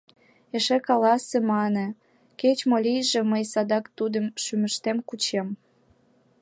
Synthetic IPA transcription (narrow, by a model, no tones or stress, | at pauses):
eʃekɑlɑsĕmɑne | ket͡ɕmolijʒĕməjsɑd̪ɑkt̪ud̪əmʃyməʃt̪emkut͡ɕem